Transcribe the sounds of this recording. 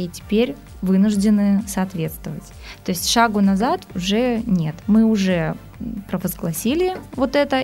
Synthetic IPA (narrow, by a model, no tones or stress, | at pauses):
itʲɪ̥pʲeɾʲ | vɨnʊʐdʲɪnɨsɐːt̪vʲet̪st̪vəvətʲ | t̪o̞ɪsʲtʲʂaɡʊnɐzat̪ʊʐɛnʲe̞t̪mɨʊʐɛ | pɾəvəzɡlˠɐsʲilʲɪvo̞t̪ɛt̪ə